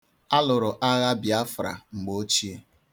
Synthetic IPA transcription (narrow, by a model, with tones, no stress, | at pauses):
a˦lʊ˨ɾʊ˨ʔa˦ɣa˦bja˦fɾa̰˨ŋ͡m̩˨ɡ͡bo˦o˦t͡ʃi˦e˦